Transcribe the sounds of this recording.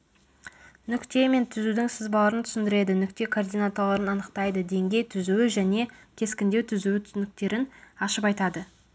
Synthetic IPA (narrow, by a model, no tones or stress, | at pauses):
nʏkt̪e̞me̞nt̪ʰʏzud̪ɪŋsəzbɑlˠɑɾənt̪ʰʏ̥sɪnd̪ɪɾe̞d̪ɪnʏk̚t̪e̞kʰord̪ijnat̪olˠɑɾənɑnəq̚t̪ɑjd̪əd̪e̞ŋɡʲe̞jt̪ʰʏzuwɪʒæne̞kʲʰe̞skʲɪnd̪e̞wt̪ʰʏzuɪt̪ʰʏsnɪkt̪e̞ɾɪnɑʃəpɑjt̪ɑd̪ə